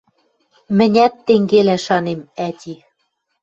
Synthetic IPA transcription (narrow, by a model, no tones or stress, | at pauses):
mɘ̆nʲæt̪ːeŋɡelæʃɑnemæt̪ʲi